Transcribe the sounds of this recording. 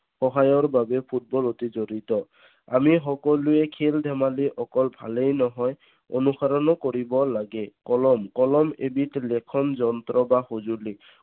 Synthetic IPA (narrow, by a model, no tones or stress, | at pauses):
xɔɦajɔɹbabɛpʰut̚bɔlotizoɹitɔ | a̰mixɔkɔlʊɛkʰeldʱɛmaliʔɔkɔlbʱa̰lejnɔɦɔj | o̰nuxaɹɔnɔkoɹibɔlaɡɛkɔlɔmkɔlɔmḛbitlɛkʰɔnzɔnt̪ɹɔbaxozuli